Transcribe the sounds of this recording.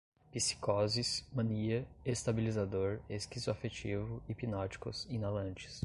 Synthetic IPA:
pisi̥kɔzismɐ̃niɐest̪abilizad̪oɾeskizʊafet͡ʃivʊipinɔt͡ʃi̥kʊ̰zĩnalɐ̃nt͡ʃɪ̥s

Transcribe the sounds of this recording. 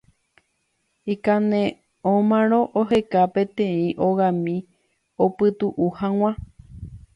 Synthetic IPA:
ikanẽ | õmãɾ̃õ̞ʔoɦe̞kapẽ̞t̪ẽĩʔoɣãmĩ | opɨt̪uʔuhãw̃ã

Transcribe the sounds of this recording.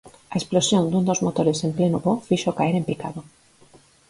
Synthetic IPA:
aesplosjond̪und̪ozmot̪oɾesemplenoβofiʃokaeɾempikaðo

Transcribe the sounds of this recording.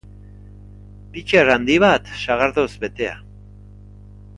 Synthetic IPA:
pit͡ʃerand̪iβat̪ʃaɣaɾðosbet̪ea̰

